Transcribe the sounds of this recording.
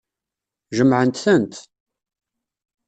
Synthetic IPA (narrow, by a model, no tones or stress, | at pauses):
ʒəmʕənt̪θənt̪